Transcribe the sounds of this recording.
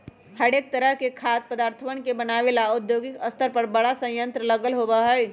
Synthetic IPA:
həɽeːk̚t̪əɾəɦkekʰaːt̪̚pəd̪aːɾt̪ʰəʋəñkebɐnaːʋelaʊd̪joːɡɪkəst̪ʰəɾpɐɾbɐɽasə̃jə̃nt̪ɾələɡəlɦoːʋaɦɛj

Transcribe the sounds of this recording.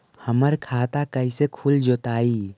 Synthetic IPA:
həməɾkʰaːt̪akəisekʰuld͡ʒoːt̪aːiː

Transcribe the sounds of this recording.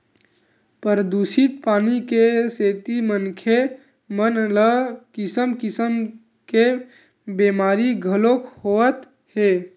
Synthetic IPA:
pəɾəd̪usit̪paːnikeseːt̪imənkʰe | mənləkɪsəmkɪsəm | ke | bemaːɾiɡʱəlokʰhoət̪ | heː

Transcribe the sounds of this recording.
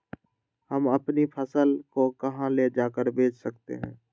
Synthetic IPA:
həməpnipʰəsəlkokɐɦãled͡ʒaːkəɾbʱeːt͡ʃsək̚t̪ḛɦɛ̰̃ː

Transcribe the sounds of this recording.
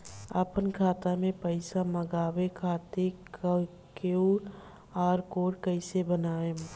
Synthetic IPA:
əpənkʰaːt̪amẽpəɪsaməɡaːwekʰaːt̪ek | keu | aːɾkoːɽkəɪsebənaːe

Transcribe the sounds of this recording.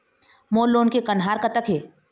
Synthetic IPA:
moːlːoːnkekɐ̃ɳɖɦaːɾkɐt̪əkʰɦeː

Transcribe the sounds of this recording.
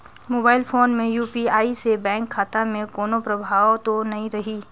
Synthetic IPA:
moːbaːɪlfʰoːnmẽjuːpiaːisebɛ̃ːŋkʰːaːt̪amẽkoːnopɾɐbʱaːwt̪onɐɦĩɾɐɦiː

